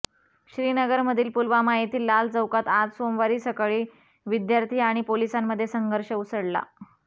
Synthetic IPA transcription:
ɕɾiːnəɡəɾməd̪ʱiːlpulʋamaɦit̪iːlːald͡zəwkat̪at̪somʋaɾiːsəkɭiː | ʋid̪jaɾt̪ʰiːaɽ̃ipolisamːəd̪ʱːjesəŋɡʱəɾɕəusəɽla̰

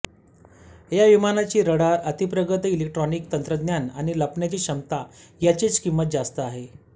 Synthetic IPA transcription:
jaʋimanat͡ɕiːɾəɽaɾət̪ipɾəɡət̪ilek̚ʈɾɔnikt̪ənt̪ɾəd̪njana̰ɽ̃iləpɳjat͡ɕiːɕəmt̪ajat͡ɕit͡skimːət̪̚d͡zast̪əaɦe

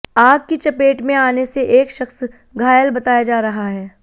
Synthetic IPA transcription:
aːɡ̚kit͡ʃɐpeːʈmẽaːneseʔeːkʃɐxs | ɡʱaːjəlbɐt̪aːjad͡ʒaːɾɐɦaɦɛː

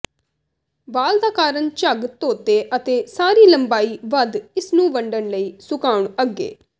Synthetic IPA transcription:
ʋaːld̪aːkaːɾəɳt͡ʃəɡt̪oːt̪eːʔət̪eːsaːɾiːləmbaːiːʋəd̪ɪsnũːʋəɳɖəɳləiːsʊkaːʊɳəɡːḛː

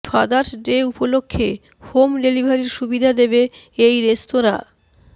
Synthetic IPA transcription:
fʰad̪aɾsɖeupolokʰːe | homɾelibʱaɾiɾʃubid̪ʱad̪ebeejɾest̪oɾa̰

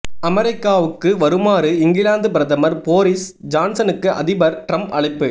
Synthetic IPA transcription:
ɐmɛɾɪkːaːʋɯkːɯʋɐɾɯmaːɾɯɪŋɡɪlaːnd̪ɯpɪɾɐðɐmɐɾpoːɾɪsd͡ʒaːnsɐnɯkːɯʔɐ̰ðɪbɐɾʈɾɐmpɐɭɐɪpːɯ

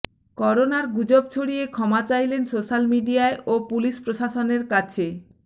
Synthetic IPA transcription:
kɔɾonaɾɡud͡ʑob̚t͡ɕʰoɽijekʰɔmat͡ɕajlensoʃalmiɖiaeʔopuliʃpɾoʃaʃoneɾkat͡ɕʰe

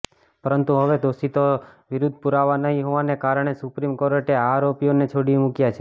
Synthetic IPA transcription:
pəɾənt̪uɦəʋed̪osit̪oʋiɾud̪ʱpuɾaʋanəɦĩɦoʋanekaɾəɳ̃esupɾimkoɾəʈeaɾopijonet͡ʃʰoɽimũkjat͡ʃʰe

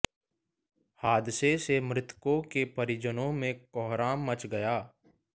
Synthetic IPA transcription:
haːd̪sesemɾɪt̪kõkepəɾɪd͡ʒənõmẽkɔːɦɾaːmːət͡ʃɡəjaː

